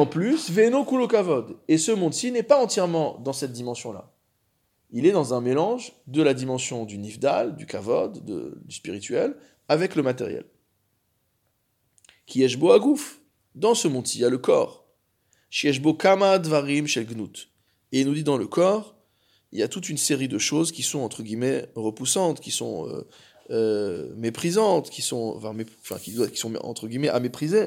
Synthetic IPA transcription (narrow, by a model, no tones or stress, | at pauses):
ɑ̃plysvenõkulokavɔd̪esəmɔ̃d̪sinɛpaɑ̃t̪jɛʁmɑ̃d̪ɑ̃sɛt̪̚d̪imɑ̃sjɔ̃la̰ | ilɛd̪ɑ̃zɛ̃melɑ̃ʒd̪əlad̪imɑ̃sjɔ̃d̪ynivd̪a̰ld̪ykavɔd̪ːə̰d̪yspiʁit̪ɥɛl | avɛkləmat̪ɛ̰ʁjɛ̰l | kʲʰiɛʒboaɡuf | d̪ɑ̃səmɔ̃d̪sijaləkɔ̰ːʁ | ʃijɛʃbokamad̪vaʁimʃɛlɡnut̪ | eilnud̪id̪ɑ̃ləkɔʁ | iljat̪ut̪ynseʁid̪əʃozkʲisɔ̃ɑ̃t̪χəɡʲimɛʁəpusɑ̃t̪kʲisɔ̰̃ø̰ | ømepχizɑ̃t̪kʲisɔ̰̃fɛ̃mẽfɛ̰̃kʲid̪wakʲi̥sɔ̰̃ɑ̰̃t̪χəɡʲimɛʔamepχize